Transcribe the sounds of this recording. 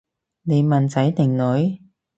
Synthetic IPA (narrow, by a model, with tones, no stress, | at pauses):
ne˨˧jmɐ˨˩nt͡sɐ˨˥jt̪ɪ˨˩ŋlɵ˨˥j